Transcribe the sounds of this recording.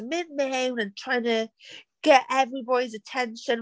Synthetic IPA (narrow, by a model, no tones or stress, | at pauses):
mɪd̚mẽɪ̃nɨ̃ntʰɹ̥aɪɪ̃ŋtʰɨɡ̥ɛɾʔɛvɹibɑɾizɨtʰɛ̃nʃɨ̃n